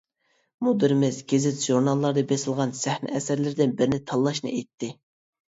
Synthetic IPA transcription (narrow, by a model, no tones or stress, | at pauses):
mud̪ɪɾɪmɪzɡʲezɪt̪ʒ̥uɾnɑlˠːɑɾd̪ɨbesɪlˠʁɑnsæhnɪ̰ɛsæɾlɪɾɪd̪ɪnbɪɾnɪt̪ʰɑlˠːɑʃnɨ̰ejt̪ʰːɪ